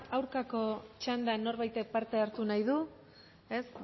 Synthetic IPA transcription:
awɾkako̞t͡ʃand̪anːo̞ɾβajt̪epaɾt̪e̞aɾt̪unajðu | e̞s

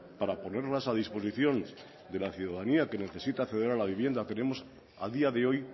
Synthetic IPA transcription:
paɾapo̞ne̞ɾlasaðispo̞s̬iθjo̞n | d̪e̞laθjuðaðaniake̞ne̞θe̞sit̪akθe̞ðeɾalaβ̞iβje̞nd̪at̪e̞ne̞mo̞s | a̰ðiaðe̞o̞j

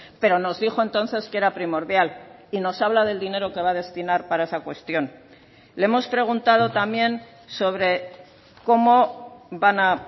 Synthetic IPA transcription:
pe̞ɾo̞no̞zðixo̞e̞nt̪o̞nθe̞skee̞ɾapɾimo̞ɾðjalino̞saβlað̞e̞ld̪ine̞ɾo̞ke̞βaðe̞st̪inaɾpaɾae̞sakwe̞st̪jo̞n | leemo̞spɾe̞ɣ̞unt̪að̞o̞t̪amjẽ̞n | so̞β̞ɾe̞ | ko̞mo̞bana

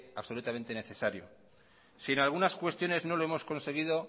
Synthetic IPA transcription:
aβso̞lut̪ame̞nt̪e̞ne̞θe̞saɾjo̰ | sinalɣ̞unaskwe̞st̪jo̞ne̞zno̞lo̞e̞mo̞sko̞nse̞ɣ̞iðo̞

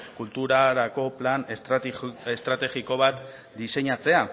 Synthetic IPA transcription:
kult̪uɾaɾako̞plan | est̪ɾat̪e̞ɣiko̞β̞at̪ | d̪ise̞ɲat͡se̞a

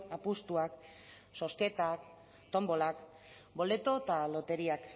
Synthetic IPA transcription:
apust̪uak | so̞ske̞t̪ak | t̪o̞mbo̞lak | bo̞le̞t̪o̞t̪alo̞t̪e̞ɾiak

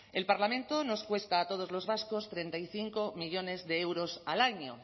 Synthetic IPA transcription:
e̞lpaɾlamẽnt̪ono̞skwe̞st̪aːt̪o̞ð̞o̞zlo̞zβaskost̪ɾe̞nt̪aiθiŋko̞miʎo̞ne̞zðe̞ewɾo̞salaɲo̰

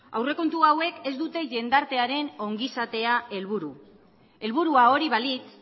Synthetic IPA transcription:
a̰wre̞ko̞nt̪uawe̞ke̞zd̪ut̪e̞ʝe̞nd̪aɾt̪e̞aɾe̞no̞ŋɡisat̪e̞ae̞lβuɾu | e̞lβuɾuao̞ɾiβalit̪

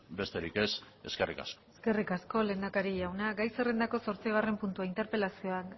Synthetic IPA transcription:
be̞st̪e̞ɾike̞s | e̞ske̞rika̰sko̥ske̞rikasko̞le̞ːnd̪akaɾiʝawnaɡajse̞re̞nd̪ako̞so̞ɾt͡siɣ̞are̞mpunt̪uaint̪e̞ɾpe̞lasio̞a

